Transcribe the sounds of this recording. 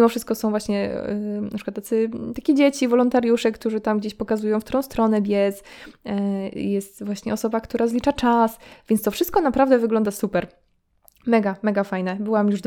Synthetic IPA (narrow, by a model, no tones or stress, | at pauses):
imɔfʂɘst̪̚kɔsɔ̃w̃vwaɕɲɛnapʂɘ̥kwat̪ːat̪ɘt̪akʲed͡ʑet͡ɕivɔlɔnt̪aɾjuʂɛkt̪uʐɘt̪amɡd͡ʑeɕpɔkazujɔ̃w̃ft̪ɾɔ̃w̃st̪ɾɔnɛbʲjɛs | jɛst̪vwaɕɲɛɔsɔbakt̪uɾazlʲit͡ʂat͡ʂasvʲjɛnst̪ɔfʂɘst̪̚kɔnapɾavd̪ɛvɘɡlɔnd̪asupɛɾ | mɛɡamɛɡafajnɛbɘwamjuʐd̪